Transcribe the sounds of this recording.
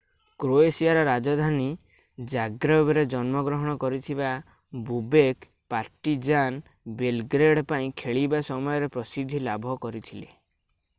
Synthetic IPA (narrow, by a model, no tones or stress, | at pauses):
kɾoesiaɾɔɾad͡ʒɔd̪ʱani | d͡ʒaɡɾɔbɔɾed͡ʒɔnmɔɡɾɔɦɔɽ̃ɔkɔɾit̪ʰiba | bubek | paɾʈid͡ʒan | belɡɾeɽpaĩkʰeɭibasɔmɔjɔɾepɾɔsid̪ʱːilabʱɔkɔɾit̪ʰile